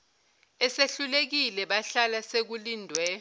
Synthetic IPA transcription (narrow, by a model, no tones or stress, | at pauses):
ɛseɬulek̬ilɛɓaɬalasek̬uliːndʱwɛ